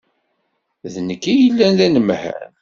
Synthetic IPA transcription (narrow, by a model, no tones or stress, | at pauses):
ðnəkːijəlːænlænəmhæ̰n